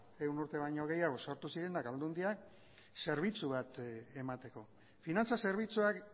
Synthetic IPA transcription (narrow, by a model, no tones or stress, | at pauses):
e̞wnuɾt̪e̞β̞aɲo̞ɣ̞e̞jaɣ̞o̞so̞ɾt̪usiɾe̞nakald̪und̪iak | se̞ɾβ̞it͡suβ̞at̪e̞mat̪e̞ko̞ | finant͡sase̞ɾβ̞it͡suak